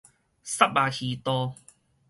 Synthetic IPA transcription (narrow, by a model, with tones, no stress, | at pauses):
sa˥p̚ba˨˧hi˨t̪ɔː˧